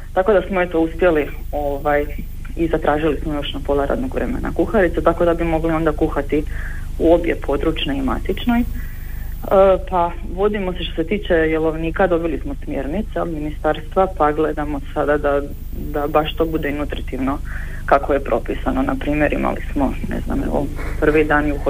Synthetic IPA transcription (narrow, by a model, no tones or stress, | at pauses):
t̪ako̞d̪asmoe̞t̪o̞uspje̞li | oʋaj | izat̪ɾaːʒilismojo̞ʃnapo̞laɾa̰ːd̪noɡʋɾemḛna̰kuxaɾit̪set̪ako̞d̪abimo̞ɡlio̞nd̪akuxat̪i | uo̞bjḛpʰo̞d̪ɾut͡ʃneima̰t̪it͡ʃno̞j | pa | ʋo̞d̪imo̞se̞ʃt̪oset̪iːt͡ʃe̞jelˠo̞ʋniːkad̪o̞bilismosmjḛɾnit̪saminist̪aɾst̪ʋapaɡle̞d̪amosad̪ad̪a | d̪abaʃt̪o̞bud̪einut̪ɾit̪iʋno̞ | kakoje̞pɾo̞pisanonapɾiːmjeɾʔḭma̰lḭsmo̞nḛzna̰mḛʋo̰ | pr̩ʋid̪aːnjuxo